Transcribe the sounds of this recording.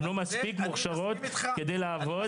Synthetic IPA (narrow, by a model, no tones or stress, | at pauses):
lo̞maspikmuχʃaʁo̞t̪ked̪ejlaːvo